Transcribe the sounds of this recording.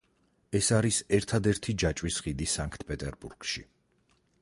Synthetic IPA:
ɛsaɾisɛɾt̪ʰad̪ɛɾt̪ʰid͡ʒat͡ʃʼwisʁid̪isaŋkʰt̪̚ʰpʼɛt̪ʼɛɾbuɾɡ̥ʃi

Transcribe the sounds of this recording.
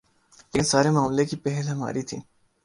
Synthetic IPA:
ensaːɾemaːmlekipɛɦɛlɦɐma̰ːɾit̪ʰḭ̃ː

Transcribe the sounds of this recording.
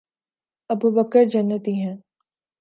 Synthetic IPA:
ɐbubəkəɾd͡ʒɐnːət̪iɦɛ̃ː

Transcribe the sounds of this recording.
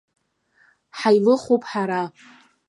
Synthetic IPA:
ħajlɨχopʰʼħaɾa

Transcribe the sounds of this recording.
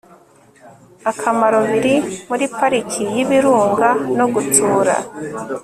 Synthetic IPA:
akʰamaɾo̞βiɾimuɾipaɾicʰijiβiɾuːŋɡanoɡutuːɾa̰

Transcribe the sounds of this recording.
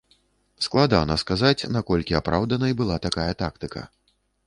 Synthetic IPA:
sklˠad̪a̰nɐskazat͡sʲnakɔlʲkʲiapɾawd̪ɐnɐibɨlˠat̪akajɐt̪ak̚t̪ɨkɐ̰

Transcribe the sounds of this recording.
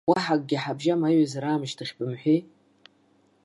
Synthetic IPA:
waħak̚ʼɡʲɪħabʒamajɥazaɾaːmʃtʰɨχʲbɨmħʷe

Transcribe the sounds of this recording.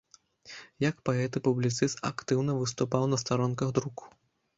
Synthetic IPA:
jɐkpaɛt̪ɨpublʲit̪sɨst̪a̰kt̪ɨwnɐvɨs̬t̪upawnɐst̪aɾɔnkɐɣd̪ɾuku̥

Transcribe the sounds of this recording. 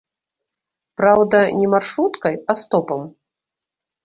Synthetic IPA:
pɾawd̪ɐnʲɛmarʂɾut̪kɐjast̪ɔpɐm

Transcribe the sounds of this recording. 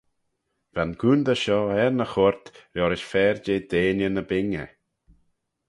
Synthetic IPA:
vanɡʰuːnd̪əʃɔːɛɾnəxʊɾt̪ɾjɔɾɪʃfɛːɾd͡ʒeːd̪eːnənəbɪŋə̰

